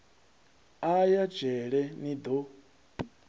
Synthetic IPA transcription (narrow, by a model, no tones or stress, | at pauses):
ajad͡ʒ̥ɛɺɛnid̪o